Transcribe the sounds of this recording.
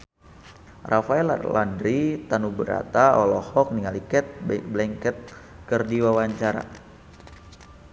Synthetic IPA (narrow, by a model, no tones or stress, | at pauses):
rʔafaɛlla̰ndɾit̪anubəɾa̰t̪aɔlɔhɔk̚niŋalikɛt̪̚blɛŋkɛt̪̚ | kərdiwawaɲt͡ʃaɾa̰